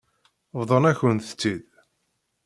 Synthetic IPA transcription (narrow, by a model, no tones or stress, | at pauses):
vðˤənæçənθə̥t͡sːið